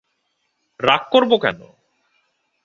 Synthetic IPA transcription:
ɾakkːoɾbokɛno̰

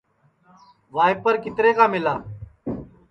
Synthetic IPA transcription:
ʋaːɪpəɾkɪt̪ɾeːkaːmɪlaː

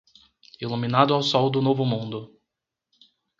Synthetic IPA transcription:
iluminad̪ʊawsɔwd̪ʊnovʊmũnd̪ʊ

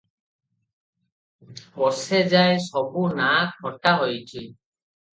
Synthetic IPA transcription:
bɔsɛzajsɔbunakhɔtaɦojtʰi

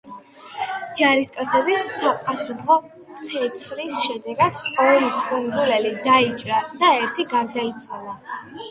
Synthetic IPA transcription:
d͡ʒaɾiskʼat̪sʰɛbisːapʼasuχɔ | t̪sʰɛt̪sʰχlisʃɛd̪ɛɡad̪̥qʼɔɛlit̪ʼuniɡulɛlid̪ait͡ʃʼɾad̪̥aɛɾt̪ʰiɡaɾd̪ait̪sʰʼwalˠa

